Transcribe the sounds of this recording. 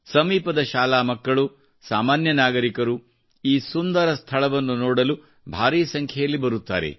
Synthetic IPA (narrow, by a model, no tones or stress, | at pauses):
sɐmiːpɐd̪ɐʃaːlaːmɐkːɐɭu | saːmaːnjɐnaːɡɐɾikɐɾu | iːsund̪ɐɾɐst̪ʰɐɭɐʋɐnːunoːɽɐlu | bʱaːɾiːsɐŋkʰjɐjɐlːibɐɾut̪ːa̰ːɾe̞̰